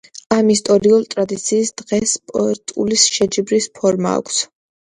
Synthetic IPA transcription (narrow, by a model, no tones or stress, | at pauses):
amist̪ʼɔɾiult̪ʼɾad̪it̪sʰiːsd̪̥ʁɛspʼɔɛt̪ʼulisʃɛd͡ʒibɾispʰɔɾma̰ːkʷʰs